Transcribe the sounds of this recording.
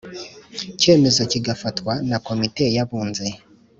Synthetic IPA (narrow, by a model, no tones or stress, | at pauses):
ce̞ːme̞zo̞ciɡafatwanako̞mite̞jaβuːnze